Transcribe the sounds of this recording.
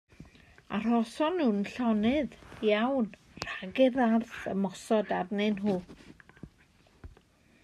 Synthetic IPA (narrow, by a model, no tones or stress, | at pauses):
a̰r̥ɔsɔnːunɬɔnɨðjawn | r̥aɡɨðarθə̰mɔsɔdarnɨnɦuː